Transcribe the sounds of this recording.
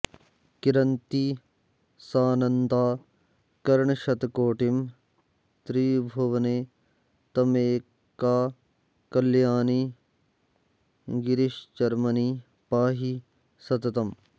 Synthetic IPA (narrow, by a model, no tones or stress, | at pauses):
kɪɾɐnt̪i | saːnɐnd̪aː | kɐɾɳʃɐt̪koːʈim | t̪ɾiːbʱoʋneː | t̪ɐmeː | kaː | kɐljaːni | ɡɪɾɪʃd͡ʒɐɾmɐniː | paːɦi | sɐt̪ɐt̪ɐm